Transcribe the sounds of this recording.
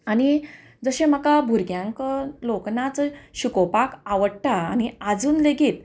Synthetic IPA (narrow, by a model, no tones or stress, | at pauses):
añi | d͡zəɕẽm̤əkabʱuɾɡjãŋkəloknat͡sɕukɔpakaʋəɽʈaːñiad͡zuːnleɡiːt̪̚